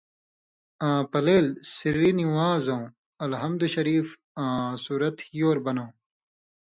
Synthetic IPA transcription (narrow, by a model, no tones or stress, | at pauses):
ãːpɐleːlsiɾːiniwãːzɐ̃ː | ɐlɦɐmd̪uɕɐɾiːf | ãːsuːɾɐt̪ijoːɾbɐnõː